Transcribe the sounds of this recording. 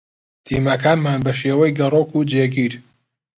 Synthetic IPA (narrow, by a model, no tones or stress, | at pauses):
t̪ʰiːmɐkaːnmaːnbɐʃeːwɛjɡɐroːkuːd͡ʒeːɡiːɾ